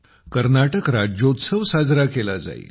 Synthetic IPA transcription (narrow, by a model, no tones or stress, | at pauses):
kəɾnaʈəkɾad͡ʑot̪səʋsad͡zɾakelad͡za̰ḭ